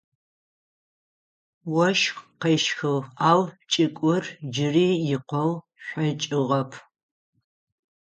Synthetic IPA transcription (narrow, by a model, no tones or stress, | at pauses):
wɔʃqɐjʃxɨwaːwt͡ʃʼɪkʷʼʊrd͡ʒɪriːjɪqʷɔw | ɕʷɐt͡ʃʼɪʁɐpʰ